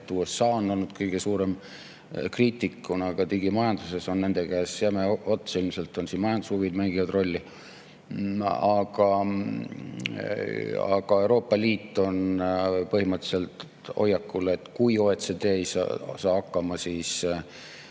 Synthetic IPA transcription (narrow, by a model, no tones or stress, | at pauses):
t̪ːuːesːɑːonːo̞lnud̪̥kɤjɡ̥e̞suːɾe̞m | kriːt̪ʲˑikːˑunɑɡ̥ɑt̪iɡ̥imɑjɑnd̪̥use̞so̞nːe̞nd̪̥e̞kæːsjɑmeot̪ːsilmse̞lt̪ːˑo̞nsiːnmɑjɑnd̪ushuvid̪mæŋɡ̥ivɑd̪ro̞lʲːi | ɑɡ̥ɑ | ɑ̰ɡ̥ɑe̞wɾo̞ːpˑːɑliːt̪ːˑo̞npɤɦhimɤt̪ːˑse̞lt̪ | o̞̰jːɑkːule̞t̪ːkujoːet̪se̞d̪̥eːejsɑ̰sɑːɑkːɑmɑsiːs